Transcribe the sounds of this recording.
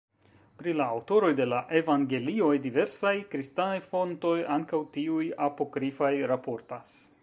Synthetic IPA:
pɾilaːwto̞ɾo̞jde̞laʔevaŋɡe̞lio̞jdive̞ɾsajkɾistanajfo̞nto̞jaŋkawtiujapo̞kɾifajɾapo̞ɾtas

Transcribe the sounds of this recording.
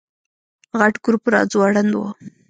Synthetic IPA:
ɣaʈɡuɾpɾɑ̰d͡zwaɽand̪wo̰

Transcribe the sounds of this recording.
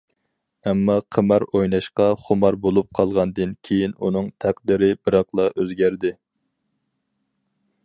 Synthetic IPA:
ɛmːɑqʰəmæɾojnɑʃqɑχomɑɾbolˠup̚qʰɑlˠʁɑnd̪ɨnkʲʰejinunɨŋt̪ʰæq̚d̪ɪɾɪbɨɾɑqlˠɑʔøzɡʲæɾd̪ɪ

